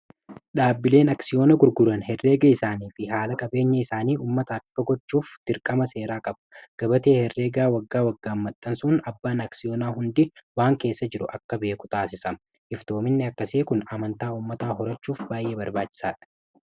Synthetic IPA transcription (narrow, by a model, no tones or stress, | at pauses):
ɗaːbːɪle̞ːnɐksɪjo̞ːnɐɡʊɾɡʊɾɐnhɛrːe̞ːɡɐɪsaːniːfɪɦaːlɐkʼɐbe̞ːɲːɐɪsaːniːʔuːmːɐt̪ɐɐkːɐɡɔt͡ʃːuːft̪ɪɾkʼɐmɐse̞ːɾaːkʼɐbɐ̥ɡ̥ɐbɐt̪e̞ːhɛrːeːɡaːwɐɡːaːwɐɡːaːmːɐt̪ʼːɐnsʊnɐbːaːnɐksɪjoːnaːɦʊnd̪ɪwaːŋke̞ːsːɐd͡ʒɪɾʊʔɐkːɐbe̞ːkʼʊ̥t̪aːsɪsɐ | ʔɪft̪o̞ːmɪnːɪɐkːɐseːkʊnɐmɐnt̪aːuːmːɐt̪aːɦɔɾɐt͡ʃːuːfbaːjʔeːbɐɾbaːt͡ʃːɪ̥saːᶑɐ̥